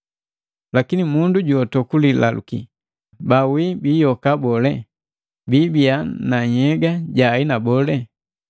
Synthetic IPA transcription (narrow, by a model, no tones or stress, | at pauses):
lakinimunduɟuɔtɔkulila̰lṵkḭ | bawibijɔkabɔlɛ | bibianaɲɛɡaɟainabɔlɛ